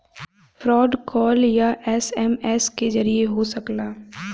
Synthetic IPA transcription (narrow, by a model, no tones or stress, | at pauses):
fɾɔːɖkɔːljaʔɛːsɛmɛːskezɐɾieɦosɐklaː